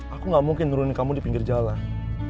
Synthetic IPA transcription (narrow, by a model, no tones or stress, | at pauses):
akuŋɡamuŋkɪnːuɾunikamudipiŋɡird͡ʒala